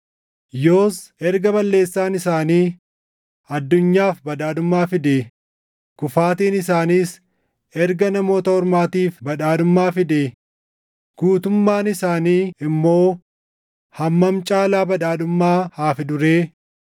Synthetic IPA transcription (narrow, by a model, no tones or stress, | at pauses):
jo̞ːsɛɾɡɐbɐlːe̞ːsːaːnɪsaːniː | ɐd̪ːʊɲːaːfbɐd̪aːd̪ʊmːaːfɪd̪eː | kʊfaːt̪̬iːnɪsaːniːs | ɛɾɡɐnɐmo̞ːt̪ɐhɔɾmaːt̪iːfbɐᶑaːd̪ʊmːaːfɪd̪eː | ɡ̥uːt̪ʊmːaːnɪsaːniːɪmːo̞ː | hɐmːɐmt͡ʃʼaːlaːbɐᶑaːd̪ʊmːaːhaːfɪd̪ʊɾeː